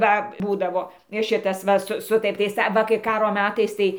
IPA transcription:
ˈʋɐ ˈbuːdɐʋoː ˈʃʲɪtɐs ˈʋɐ sʊ ˈsʊtɐrʲtʲiːs ɐˈʋɐ kɐɪ ˈkɑːroː ˈmʲæːtɐɪs ˈtɐɪ

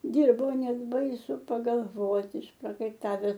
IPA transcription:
ˈdʲɪrboː ˈnʲɛt ˈbɐɪsʊ pɐɡɐlˠˈʋoːtʲɪ ɪʃprɐkɐɪˈtɑːʋʲɛs

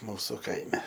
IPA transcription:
ˈmuːsʊ ˈkɐɪmʲɛ

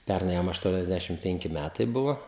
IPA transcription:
ˈpʲɛrnɐɪ ˈjɛm ɐʃˌtuɔnʲɛzʲˈdʲæʃʲɪm ˈpʲɛŋʲkʲɪ ˈmʲætɐɪ ˈbʊʋoː

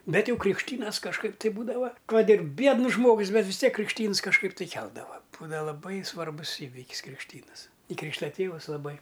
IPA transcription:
ˈbʲɛt ˈjɛʊ krʲɪkʃʲˈtʲiːnɐs kɐʃˈkɐɪp tɐɪ ˈbuːdɐʋɐ ˈkɐt ɪr ˈbʲiɛdnʊs ˈʒmoːɡʊs ˈbʲɛt ʋʲɪs ˈtʲiɛk krʲɪkʃʲˈtʲiːns kɐʃˈkɐɪp tɐɪ ˈkʲɛlˠdɐʋɐ ˈbuːdɐʋɐ lˠɐˈbɐɪ sʋɐrˈbʊs ˈiːʋʲɪkʲɪs krʲɪkʃʲˈtʲiːnɨs ɪ ˈkrʲiːkʃtɐ ˈtʲeːʋʊs lˠɐˈbɐɪ

